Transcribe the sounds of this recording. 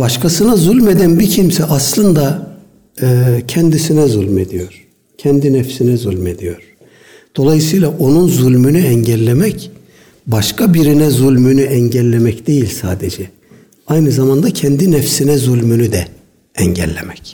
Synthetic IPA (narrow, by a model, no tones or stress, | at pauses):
baʃkʰasɯnazulʲme̞d̪ænbicʰimsɛʔaslˠɯnd̪a | ɯːcʰɛnd̪isinɛzulʲme̞d̪ijo̞ɾ̥ | cʰɛnd̪inɛfsinɛzulʲme̞d̪ijo̞ɾ̥ | d̪̥o̞lˠajɯsɯjlˠaʔo̞nunzulʲmynyɛɲɟɛlʲːemɛc | baʃkʰabiɾinɛzulʲmynyɛɲɟɛlʲːe̞mɛcd̪̥e̞jilʲsaːd̪ed͡ʒɛ | ajnɯzamand̪acʰɛnd̪inɛfsinɛzulʲmynyd̪ɛ | ɛɲɟɛ̰lʲːḛmɛc